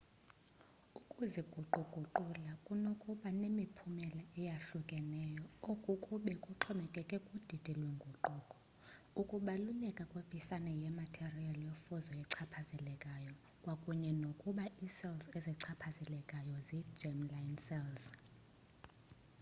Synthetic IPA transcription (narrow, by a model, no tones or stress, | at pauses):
ukʼuziɡ̥ʱuǃuɡ̥ʱuǃulakʼunokʼuɓanemipʰumɛlaɛjaɬukʼɛnɛjɔokʼukʼuɓɛkʼuǁʰɔmɛkʼɛkʼɛkʼud̥ʱid̥ʱɛlweŋɡʱuǃɔkʼɔ̥ | ukʼuɓalulɛkʼakʼweb̥ʰʼʱisanɛjɛmatʰerialijofɔzɔjɛǀʰapʰazɛlɛkʼajɔ | kʼwakʼuɲɛnokʼuɓaʔisɛlzeziǀʰapʰazɛlɛkʼajɔzi̥d͡ʒɛmlajnsɛlz